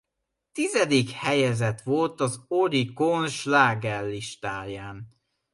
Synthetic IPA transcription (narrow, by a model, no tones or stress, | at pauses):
t̪izɛd̪ikhɛjɛzɛt̪ʋo̞lt̪ɒzoɾikonʃlaːɡɛlːiʃt̪aːjaːn